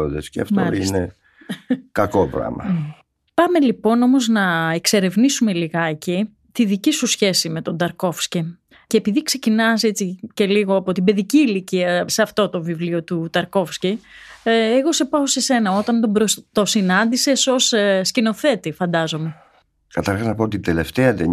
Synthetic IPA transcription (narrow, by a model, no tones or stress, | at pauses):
od̪esceɐ̰ft̪o̰ine | kɐkopɾɐ̰mɐ̰ | pɐme̞lipo̞no̞mo̞znɐekse̞ɾe̞vnisume̞liɣɐeci | t̪iðicisusçe̞sime̞t̪o̞nd̪ɐɾko̞fsci | ceːpiðikse̞cinɐse̞t͡sice̞liɣoɐpo̞t̪ibe̞ðiciːliciɐseɐft̪o̞t̪o̞vivlio̞t̪ut̪ɐɾko̞fsci | eɣo̞se̞pɐose̞se̞nɐo̞t̪ɐnt̪oɾot̪o̞sinɐnd̪ise̞so̞sscino̞θe̞t̪ifɐnd̪ɐzo̞me̞ | kɐt̪ɐɾxɐznɐpoot̪id̪ele̞ft̪eɐt̪e